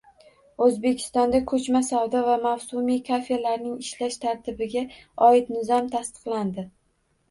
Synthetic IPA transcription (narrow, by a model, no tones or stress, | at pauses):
ɵzbe̞kʲʰɪ̥st̪ɒnd̪akʰɵt͡ʃmasawd̪ɒvamawsʊmijkʰafelaɾnɪŋɪʃlaʃt̪ʰaɾt̪ʰɪbɪɡʲaɒɪt̪nɪzɒmt̪ʰast̪ɨ̥qlˠand̪ɪ